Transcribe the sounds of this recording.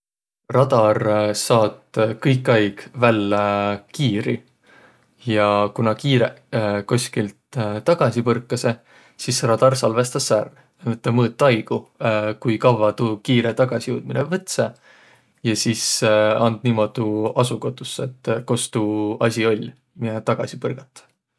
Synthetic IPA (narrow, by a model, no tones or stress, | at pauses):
rɑd̪̥ɑrsɑːt̪kɤjkːˑɑjɡ̥vælːekiːɾi | jɑkunɑkiːɾḛkosʲkilt̪t̪ɑɡ̥ɑsʲipɤrkːˑɑse̞ | sisrɑd̪̥ɑrsɑlve̞st̪ɑsːær | ɤt̪ːˑɑmɤːt̪ˑːɑjɡ̥ukujkɑvɑt̪uːkiːɾet̪ɑɡ̥ɑsʲijuːd̪̥̚minevɤt̪se | jɑsisɑnd̪̥niːmo̞d̪̥uɑsuko̞t̪ːˑusːe̞t̪ːˑko̞st̪uɑsʲio̞lʲ | miet̪ɑɡ̥ɑsʲipɤrɡ̥ɑt̪ːˑɑ̥